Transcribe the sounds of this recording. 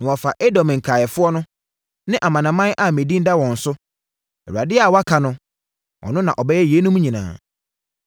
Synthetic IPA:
nã˨ɔ˨fa˨ʔe˦dɔ̃˨m̃˨ŋ̩˨kʰa˨jɛ˨fʊ˦ɔ˦nʊ̃˦ | nɪ̃˦ʔa˨mã˨nã˨mã˦nʔa˨mẽ˨dĩ˦n˦da˦wɔ̃˨n̩˨sʊ˦ | ɛ˨u˨a˨dɪ˦a˨wɔ˦a˦kʰa˨nʊ̃˦ | ʔɔ̰˨nʊ̃˦nã˨ʔɔ˨bɛ˦jɛ˦je˨˦nʊ̃˦mũ˦ɲĩ˨nã̰ː˨

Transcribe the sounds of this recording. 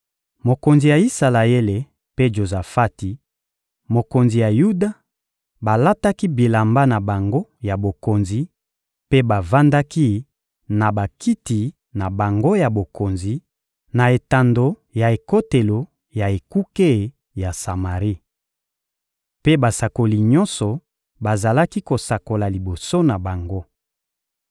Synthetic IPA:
mo˨ko˨nzi˨ja˨i˦sa˨la˨e˦le˨ | pe˦ʒo˨za˨fa˦ti˨ | mo˨ko˨nzi˨ja˨ju˦da˦ | ba˨la˦ta˦ki˦bi˨la˨mba˦na˨ba˨ŋɡo˦ja˨bo˨ko˨nzi˨ | pe˦ba˨va˦nda˦ki˦ | na˨ba˨ki˦ti˨ | na˨ba˨ŋɡo˦ja˨bo˨ko˨nzi˨ | na˨e˨ta˨ndo˨ | ja˨e˨ko˦te˨lo˨ | ja˨e˨ku˦ke˦ | ja˨sa˨ma˨ʁi˦ | pe˦ba˨sa˨ko˨li˨ɲɔ̃˦nsɔ˨ | ba˨za˨la˦ki˦ko˨sa˨ko˨la˨li˨bo˨so˦na˨ba˨ŋɡo˦

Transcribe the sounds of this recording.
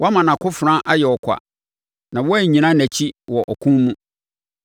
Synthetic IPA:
wʔɔ˦a˦mã˨nã˨kʰʊ˦fɾã˦ʔa˦jɛ˨ɔ˨kʷʰa̰˨ | nã˨wɔ˦æ˦˨ɲĩ˨nã˦næ˨t͡ɕʰi˦wɔ˨ʔɔ˨kʰũː˦ũ˦

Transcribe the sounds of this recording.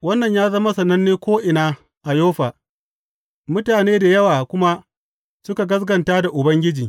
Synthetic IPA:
wɐ˦nːɐ˨ɲjaː˦zɐ˦ma˦sɐ˨nɐ˦nːeː˦kʷoː˦ʔɪ˨naː˦ | ʔa˨joː˦ɸaː˨ | mʊ˦taː˨neː˦da˨jɐ˦waː˨kʷʊ˦ma˦ | sʊ˦ka˨ɡɐ˦s̬ɡɐ˨ntaː˦da˨ʔʊ˨bɐ˦ŋɡʲɪ˦d͡ʒiː˨

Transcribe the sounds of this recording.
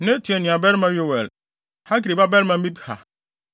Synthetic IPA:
nɪ̃˦tʰi˨ɛ˨nĩ˨a˨bɛ˦ɾmã˦ɥi˦o˦˨wɛ˨l | ha˦kɾi˨ba˦bɛ˦ɾmã˨m̩˦i˦bha̰˨

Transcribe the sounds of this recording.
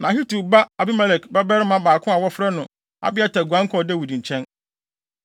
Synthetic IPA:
nã˨ɦi˦tu˨ba˦a˨bɪ˦mɛ˦lɛ˨kbɛ˦bɛ˦ɾɪ˦mã˦baː˨kʰʊ̃˦a˨wɔ˦fɾɛ˦nʊ̃˨ | a̰˨bɪ˦ɛ˦tʰɛ˨ɡʷã˦ŋ̩˦kʰɔ˨dɛ˦˨wi˨dĩ˨ɲ̩˨t͡ɕʰɛ̃˦n

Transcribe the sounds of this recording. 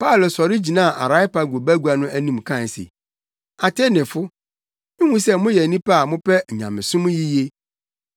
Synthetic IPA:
pa˦˨lsɔ˨ɾɪ˦d͡ʑi˨nã˦˨ʔa̰˨ɾa˦ɪ˦pa˨ɡo˨bæ˦ɡu˨˦a˨nʊ̃˦æ˦nĩ˨mkʰã˦˨sḛ˨ | a˨tʰe˦nɪ̃˨fʊ˦ | nɪ̃˦hũ˦sɛ˦mʊ̃˦jɛ˨nĩ˦pa˦a˨mʊ̃˦pɛ˦˨ɲã˨mɪ̃˨sʊ̃˦m̃˦ji˦je˦

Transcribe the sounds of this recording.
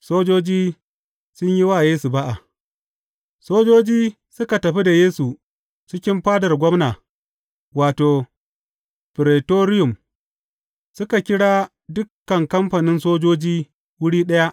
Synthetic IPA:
soː˦d͡ʒoː˦d͡ʒiː˦ | sʊ˦ɲji˦waː˦˨jeː˦su˨ba˦ʔa˨ | soː˦d͡ʒoː˦d͡ʒiː˦ | sʊ˦ka˨tɐ˨ɸi˦da˨jeː˦su˨ | t͡ʃɪ˦kʲɪ˦mɸaː˦dɐ˨rɡʷɔ˦mnaː˨ | waː˨toː˨ | ɸɪ˨ɾeː˨toː˦ɾɪ˦jʊ˨m | sʊ˦ka˨kʲɪ˦ɽaː˦ | dʊ˦kːɐ˨ŋkɐ˦mɸa˨nɪ˦nsoː˦d͡ʒoː˦d͡ʒiː˦ | wʊ˦ɽiː˦ɗɐ˦ja˦ʔ

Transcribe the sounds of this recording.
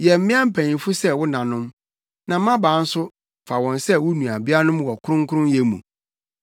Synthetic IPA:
jɛ˨m̩˦ɪ̃˦ã˦m̩˦pʰæ̃˨ɲĩ˨fʊ˦sɛ˦wʊ˦nã˨nʊ̃˦m | nã˨˦mã˦bãː˨˦n̩˦sʊ˦ | fa˨wɔ̃˨nsɛ˦wʊ˦nũ˨a˨bi˦a˦nʊ̃˦mwɔ˨kʰʊ˦ʊ̃˦ŋ˦kʰʊ˦ɾʊ̃˦njɛ˦mṵ̃˨

